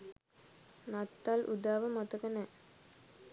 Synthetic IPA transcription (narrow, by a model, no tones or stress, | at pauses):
nat̪ːalʔud̪aːʋəmat̪əkənɛ